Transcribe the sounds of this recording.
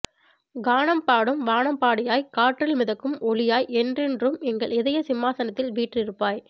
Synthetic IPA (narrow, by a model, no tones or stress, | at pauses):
ɡaːnɐmpaːɽɯmʋaːɳɐmpaːɽɪjaːjkaːʈrɪlmɪðɐkːɯmɔɭɪjaːjɛndrɪndrɯmɛŋɡɐɭɪðɐjɐsɪmːaːsɐnɐt̪ːɪlʋiːʈrɪɾɯpːaːj